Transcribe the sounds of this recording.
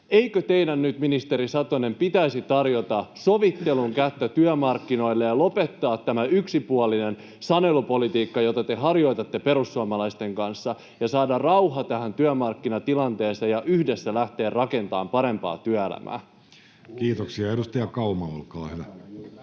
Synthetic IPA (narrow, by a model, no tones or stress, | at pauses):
ejkøt̪e̞idænnyt̪minist̪e̞ɾisɑt̪one̞mpit̪æisit̪ɑrjo̞t̪ɑso̞ʋit̪ːe̞luŋkæt̪ːøt̪yœmɑrkːino̞ilːejɑlo̞pe̞t̪ːɑːt̪ːæmæyksipuɑlinen | sɑne̞lupo̞lit̪iːkːɑjot̪ɑt̪e̞ɦɑrjo̞jt̪ɑt̪ːe̞pe̞ɾusːuɑmɑlɑist̪e̞ŋkɑnsːɑ | jɑsɑːdɑrrɑwɦɑt̪æhænt̪yœmɑrkːinɑt̪ilɑnt̪e̞ːseːjɑʔyhdesːælæht̪e̞ːrrɑke̞nt̪ɑːmpɑɾe̞mpɑ̰ːt̪yœelæ̰mʔæ̰ː | kiːt̪oksiɑedust̪ɑjɑkɑumɑo̰lkɑːhyʋæ